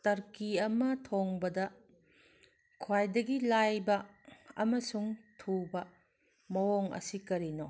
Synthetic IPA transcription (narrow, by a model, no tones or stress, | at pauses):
tɐɾkiɐmɐtʰoŋbɐdɐ | kʰwajdɐɡilajbɐɐ̰mɐsuŋtʰubɐ | mɐwoŋɐ̰sikɐɾino